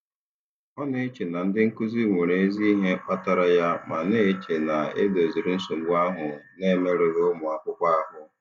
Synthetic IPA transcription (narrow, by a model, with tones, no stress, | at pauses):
ɔ˦ne˦e˦t͡ʃe˨na˨n̩˦dɪ˦ŋ̩˦ku˦zi˦ŋʷe˨ɾe˨e˦zi˦ɦe˦k͡pa˦ta˨ɾa˨ja˦ma˨ne˦t͡ʃe˨na˨e˦do˨zi˨ɾɪ˨n̩˦so˨ɡ͡bu˦a˦ɦʊ˨ne˦me˦ɾɪ˨ɾmʊ˨a˨kʷʊ˦kʷa˦a˦ɦʊ˨